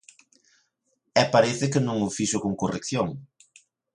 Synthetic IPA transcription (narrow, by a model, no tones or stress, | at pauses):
ɛpaɾɛθɪkɪnõŋʊfiʃʊkoŋkorekθjoŋ